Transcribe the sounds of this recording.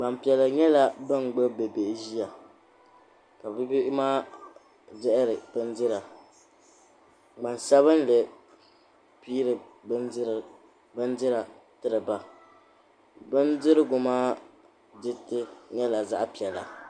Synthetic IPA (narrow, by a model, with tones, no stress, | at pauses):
ɡ͡ba˨mpi˨ɛ˨lɨ˨ɲɛ˦la˨bɨ˦nɡ͡bo˦bɛ˨be˨ʔʒi˦a˨ | ka˨bɨ˦bi˦maː˦ | dɛ˦ʔɪ˦ɾɨ˨bɨ˦ndɨ˦ɾa˨ | ɡ͡ba˨nsa˦βɨ˦n˦le˨ | piː˦ɾɨ˨bɨ˦n˦ɾ | bɨ˦ndɨ˦ɾa˨ | tɨ˦ɾɨ˨ba˨ | bɨ˦ndɪ˦ɾɨ˦ɡʊ˨maː˦ | dɨ˦tɨ˦ɲɛ˦la˨za̰˦ʔpi˨ɛ˨la̰˨